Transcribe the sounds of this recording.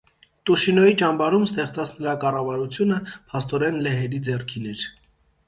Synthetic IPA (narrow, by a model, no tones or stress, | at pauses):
t̪uʃinɔjit͡ʃɑmbɑɾumst̪ɛχt͡sɑt͡sʰnəɾɑkɑrɑvɑɾut͡sʰjunəpʰɑst̪ɔɾɛnlɛɦɛɾid͡zɛrkʰinɛɾ